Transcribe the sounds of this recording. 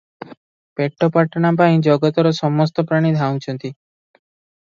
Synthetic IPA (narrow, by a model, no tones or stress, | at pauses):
peʈʰːɔpaʈːanapaĩd͡ʒɔɡɔt̪ɔɾɔsɔmɔs̬t̪ɔpɾaɽ̃id̪ʱaw̃nt͡ʃʰɔnt̪i